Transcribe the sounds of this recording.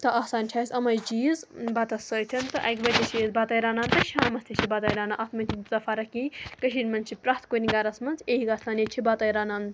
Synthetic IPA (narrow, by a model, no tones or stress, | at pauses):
t̪ɐʔaːsaːnt͡ʃʲʰaːsʲɐmɐjd͡ʒizbɐt̪ɐsəːjt̪ʰɐnt̪ɨʔɐ̰jkbɐt̪ʲit͡ʃʰizbat̪ɐjɾaːnaːnt̪ɐʃaːmɐst̪ʰit͡ʃʰibɐt̪ɐːjɾaːnaʔɐt̪ʰmɐnt͡ʃʰizɐfaːɾɐkikɐʃʰinʲmɐnt͡ʃʰipɾaːt̪kuɾʲiŋɡaɾɐsmɐnzeːɦikast̪aːnet͡ʃʰibat̪ɐjɾaːnaːn